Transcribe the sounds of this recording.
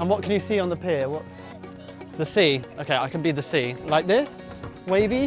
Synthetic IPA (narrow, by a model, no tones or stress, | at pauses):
ə̃nwɒʔ̚kʰə̃njəsiːə̃nðəpʰɪəwɒts | ðəsiːoʊkʰeɪaɪkʰə̃nbiðəsiːlaɪk̚ðɪs | weɪvi